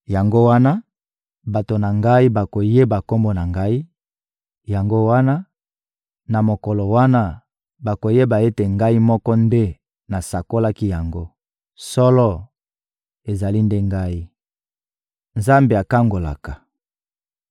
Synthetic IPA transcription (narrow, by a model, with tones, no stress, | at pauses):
ja˨ŋɡo˦wa˦na˦ | ba˨to˨na˨ŋɡa˦i˦ba˨ko˨je˦ba˨ko˦mbɔ˦na˨ŋɡa˦i˦ | ja˨ŋɡo˦wa˦na˦ | na˨mo˨kɔ˨lɔ˨wa˦na˦ | ba˨ko˨je˦ba˨je˦te˨ŋɡa˦i˦mɔ˦kɔ˦nde˦ | na˨sa˨ko˦la˦ki˦ja˨ŋɡo˦ | sɔ˦lɔ˦ | e˨za˨li˦nde˦ŋɡa˦i˦ | nza˦mbe˨a˨ka˦ŋɡo˨la̰˨kḁ˨